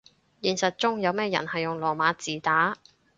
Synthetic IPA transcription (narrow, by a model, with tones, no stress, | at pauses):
jiː˨˩nsɐ˨t̚t͡ʃʊ˥ŋjɐ˨˧wmɛː˥jɐ̰˨˩nhɐ˨jʊ˨ŋlɔː˨˩maː˨˧˥t͡siː˨˩t̪aː˨˥